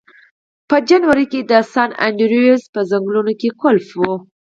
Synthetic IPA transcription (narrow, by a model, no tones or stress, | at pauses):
pəd͡ʒanwaɾiked̪əsɑna̰ɳɖiɾijzpəzaŋɡlunokekʊlfwo